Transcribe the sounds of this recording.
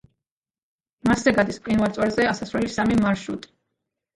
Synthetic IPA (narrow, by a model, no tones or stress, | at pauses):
maszɛɡad̪ispʼqʼinvalt̪sʼwɛɾzɛasasvɾɛlisamimaɾʃɾut̪ʼi̥